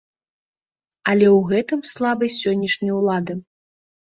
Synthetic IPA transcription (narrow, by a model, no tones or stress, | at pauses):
ɐlʲɛwɣɛt̪ɨmslˠabɐjsʲɔnʲːɐʂnʲɐjwlˠad̪ɨ